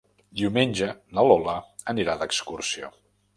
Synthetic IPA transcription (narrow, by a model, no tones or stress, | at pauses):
d̪iumenʲʒənəlɔləəniɾad̪əkskursio